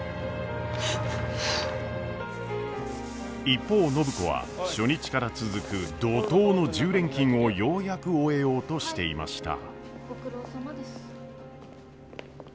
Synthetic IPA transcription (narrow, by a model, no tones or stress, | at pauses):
ipːo̞ːno̞bɯ̟ko̞βa̰ | ɕo̞ɲ̟it͡ɕi̥kaɾat͡sɨzɨkɯ̟d̪o̞t̪o̞ːno̞ʑɨːɾẽ̞ŋkʲĩɰ̃o̞jo̞ːjakɯ̟oe̞jo̞ːt̪o̞ɕi̥t̪e̞ima̰ɕi̥t̪a̰̥ɾod̪